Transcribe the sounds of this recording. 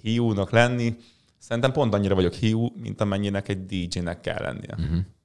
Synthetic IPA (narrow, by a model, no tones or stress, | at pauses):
hijuːnɒklɛnːi | sɛɾint̪ɛmpo̞nt̪ɒɲːiɾɒvɒɟo̞khijuːmḭnt̪ɒmɛɲːinɛkɛɟ̚d̪iːd͡ʒiːnɛkːɛ̰lːɛ̰nːḭjɛ̰ɦ